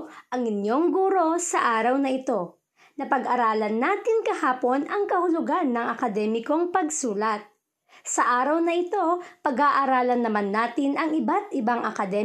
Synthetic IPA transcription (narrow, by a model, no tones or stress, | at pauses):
ʔɐŋɪnjo̞ŋɡuːɾo̞sɐʔaːɾɐwnɐʔɪt̪o̞ | nɐpɐɡɐɾaːlɐnːaːt̪ɪŋkɐhaːpo̞nɐŋkɐhʊlʊɡanːɐŋʔɐkɐd̪ɛːmɪko̞ŋpɐɡsuːlɐt̪̚ | sɐʔaːɾɐwnɐʔɪt̪o̞pɐɡaʔɐɾaːlɐnːɐmanːaːt̪ɪnʔɐŋʔɪbat̪̚ʔɪbaŋʔɐ̰kɐd̪ɛ